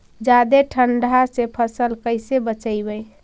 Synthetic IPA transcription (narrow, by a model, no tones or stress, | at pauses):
d͡ʒad̪eʈʰəɳɖʱasepʰəsəlkəɪsebət͡ʃəɪbəj